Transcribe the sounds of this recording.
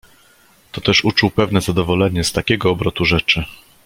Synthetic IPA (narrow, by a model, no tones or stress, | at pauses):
t̪ɔt̪ɛʂut͡ʂuwpɛvnɛzad̪ɔvɔlɛɲɛst̪akʲɛɡɔːbɾɔt̪uʐɛt͡ʂɘ